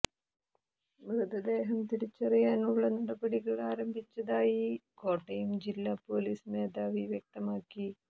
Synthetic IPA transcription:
mrɨd̪ɐd̪e̞ːɦɐmt̪iɾit͡ɕːɐrijaːnuɭːɐnɐɽɐbɐɽiɣɐɭaːɾɐmbʱit͡ɕːɐðaːjiko̞ːʈːɐjumd͡ʑilːaːpo̞ːliːsme̞ːd̪aːʋiʋjek̚t̪ɐmaːkːi

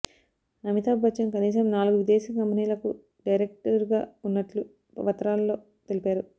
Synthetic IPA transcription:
ɐmit̪aːbbɐt͡ʃɐmkɐniːsɐmnaːluɡuʋid̪ɛːsɐkɐmpiniːlɐku | ɖɐjɾek̚ʈɐɾɡaːunːɐʈlu | ʋɐt̪ːɐɾaːllo̞ː | t̪elipaːɾu

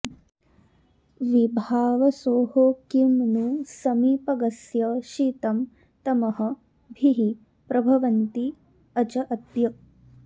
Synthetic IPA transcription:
ʋibʱaːʋɐsoːɦoːkimnusɐmiːpɐɡɐsjɐʃiːt̪ɐm | t̪ɐmɐɦɐ̆ | bʱiɦi | pɾɐbʱɐʋɐnt̪i | ɐt͡ʃɐʔɐt̪jɐ

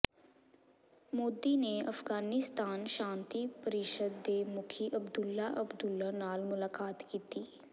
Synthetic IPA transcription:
moːd̪ineɐfɡaːnɪst̪aːnʃãːnt̪ipəɾɪʃəd̪ːemʊkʰiʔɐbd̪ʊlːaʔəbd̪ʊlːanaːlmʊlaːkaːt̪kiːt̪iː

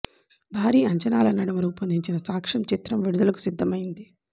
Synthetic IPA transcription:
bʱaːɾiːɐɲt͡ʃɐnaːlɐnɐɽɐmɐɾuːpɐnd̪iɲt͡ʃinɐsaːkʂɐmt͡ʃit̪ɾɐmʋiɽud̪ɐlɐku̥sid̪ʱːɐmɐjind̪i

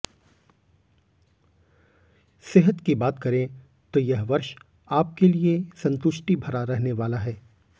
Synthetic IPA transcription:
seɦət̪kibaːt̪kɐɾẽ | t̪ojɐɦʋɐɾʃ | aːp̚keliesɐ̃nt̪ʊʃʈibʱɐɾaɾɛɦneʋaːlaɦɛː

